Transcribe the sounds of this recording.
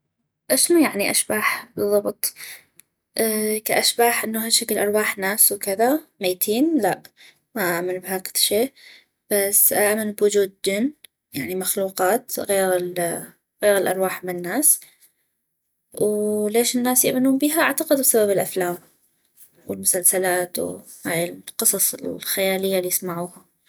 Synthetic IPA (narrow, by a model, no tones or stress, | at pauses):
ʔaʃnujaʕniʔaʃbaːħbɨðˤːɑbt̪ˤ | ʔkaʔaʃbaːħʔɪnːaɦaʃakɪlʔɑɾˤwaːħnaːswkɪðamajt̪ʰiːnlaʔ | maʔaʔmanbhaːkɪ̥ðʃeːʔ | b̥asːʔaʔmanbwʊd͡ʒuːd̪̚d͡ʒɪnː | jaʕnimaxluːqɑːt̪ɣeːɾɪl | ɣeːɾɪlʔɑ̰ɾˤwaːħmɪnɪnːaːs | wleːʃɪnːaːsjɪʔmanuːnbiːɦaʔaʕt̪ɑqɪd̪bsababɪlʔaflaːm | wɪlmʊsalsalaːt̪w̰ | haːjɪlqɨsˤɑsˤɪ̰xajaːlɪjːalijɪsmaʕuːha